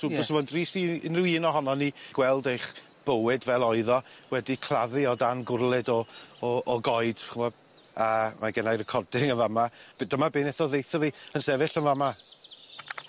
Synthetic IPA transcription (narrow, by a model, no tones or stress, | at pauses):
ubɔsəmɔndriːsiɪ̰nrɪwiːnɔɦɔnɔniɡ̥wɛlˠdejχ | b̥əwɪdvɛlˠɔɨðɔwɛdikʰl̥ˠaðɨɔdanɡʊrlˠɪdɔː | ɡɔɨd̥χəmɔ | amaɡɛnajrəkʰɔrdɪŋənvamab̥dəmabeːnɛθɔðejθɔviːənsɛvɪɬənvama